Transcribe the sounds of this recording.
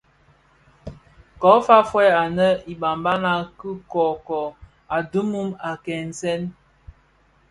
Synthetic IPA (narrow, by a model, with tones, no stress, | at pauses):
kɔ˨˦fa˦fwɛ˦a˨nə˦i˨ɓa˨mba˦na˦kə˦kɔ˨kɔ˨ | a˨du˦mu˦ma˨kɛ˨n̩˨sɛ˦n